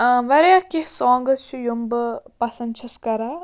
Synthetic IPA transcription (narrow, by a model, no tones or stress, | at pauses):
ʋɐɾjaːkehsɔːŋɡɐst͡ʃʰujumbɐpɐsɐnt͡ʃʰɐskɐɾa